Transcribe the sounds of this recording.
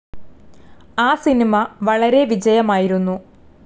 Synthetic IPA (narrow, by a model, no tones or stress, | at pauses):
aːsinimɐʋɐɭɐɾe̞ʋid͡ʑɐjɐmaːjiɾunːu